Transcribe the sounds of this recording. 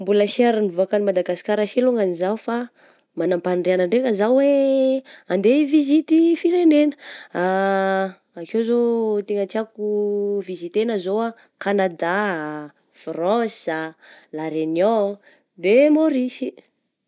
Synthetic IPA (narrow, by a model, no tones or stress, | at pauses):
mbuləsaɾinivoakanimad̪aɡasi̥kʲaɾaseluŋanizaufa | manampanreanəɳɖ͡ʐeŋəzawwe | and̪evizit̪ifiɾenenə̥aː | kewzot̪eŋat͡ʃiakuvizit̪enəzoa | kanad̪a | frɔ̃salaɾenjɔ̃ | d̪emoɾisi